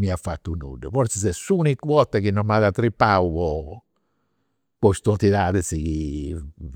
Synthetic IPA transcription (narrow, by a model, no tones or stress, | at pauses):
miafːat̪ːunṵɖːɛ̰fɔɾt̪sɛsɛsːunikwɔt̪ːɛkinːɔmaðat̪ːɾipːawvɔ | pɔst̪ɔt̪ːiðaːðɛsiki